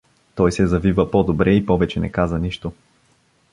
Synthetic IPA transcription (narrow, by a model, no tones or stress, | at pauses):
t̪ɔjsɛzɐvivəpɔd̪obɾɛipɔvɛt͡ʃɛnɛ̰kazəniʃt̪o